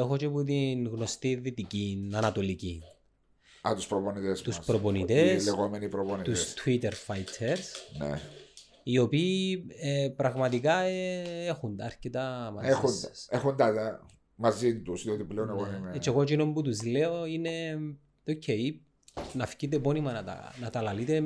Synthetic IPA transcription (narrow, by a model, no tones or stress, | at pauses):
exot͡ʃeput̪̬inɣno̞st̪iðit̪icinɐnɐt̪o̞licin | ɐ̰t̪uspɾoponit̪est̪uspɾoponit̪esleɣomenipɾoponit̪ust̪ʰwit̪eɾfajt̪ʰːeɾsnḛ | io̞piːepɾɐɣmɐt̪ikɐ | exund̪ɐɐɾcet̪ɐmɐexuɐexund̪ɐt̪ɐ | mɐzint̪usðiot̪ipleoneɣonimet͡ʃːeɣot͡ʃinombut̪̬uzleoine | ocʰːej | nɐfcit̪̬epo̞nimɐnɐt̪ɐ̰nɐt̪ɐlɐlit̪e